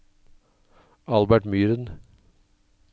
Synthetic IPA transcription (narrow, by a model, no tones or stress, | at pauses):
ɑlbæʈmyːɾən